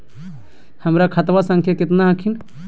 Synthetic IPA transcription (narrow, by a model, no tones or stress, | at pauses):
həmɾakʰɐt̪ʋasə̃ŋkʰjakɪt̪naɦəkʰin